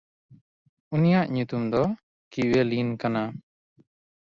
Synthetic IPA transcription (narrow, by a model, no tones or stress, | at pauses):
unijaʔɲut̪umd̪ɔ | kiwelinkana